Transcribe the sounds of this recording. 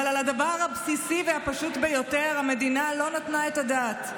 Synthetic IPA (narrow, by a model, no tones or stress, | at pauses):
lalad̪avaʁhabsisivehapaʃut̪bejo̞te̞ʁhamed̪inalo̞nat̪nae̞tadat̪